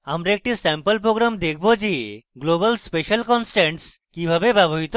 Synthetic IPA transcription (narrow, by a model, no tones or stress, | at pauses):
amɾaek̚ʈisɛmpəlp̬ɾoɡɾamd̪ek̚ʰbod͡ʑiɡlobəlspeʃəlkɔnsʈeɳʈs | kibʱabebɛboɦit̪o